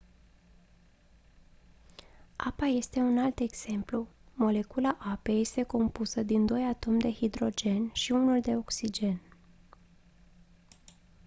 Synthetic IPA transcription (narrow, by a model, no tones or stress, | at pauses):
apaje̞st̪e̞unalt̪e̞ɡz̥e̞mplumo̞le̞kulaʔape̞je̞st̪e̞ko̞mpusəd̪ind̪o̞jat̪o̞md̪e̞hid̪ɾo̞d͡ʒe̞nʃiunuld̪e̞o̞ksid͡ʒe̞n